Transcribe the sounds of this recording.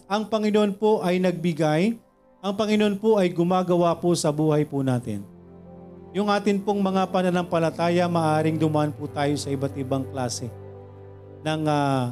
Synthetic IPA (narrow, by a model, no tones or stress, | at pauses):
ʔɐŋpɐŋɪno̞npo̞ʔɐjnɐɡ̚bɪɡaj | ʔɐŋpɐŋɪno̞npoʔɐjɡʊmaːɡɐwaposɐbuːhɐjpʊnaːt̪ɪ̰n | jʊŋʔaːt̪ɪnpoŋmɐŋapɐnɐnɐŋpɐlɐt̪aːjɐmɐʔaːɾɪŋd̪ʊmɐʔanpʊt̪aːjo̞sɐʔɪbat̪̚ɪbaŋklaːsɛ | nɐŋa